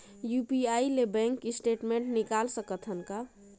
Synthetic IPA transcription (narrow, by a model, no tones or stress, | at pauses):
jupiailebɛ̃ŋkːisʈeʈmẽɳʈnikalsəkət̪ʰɦənka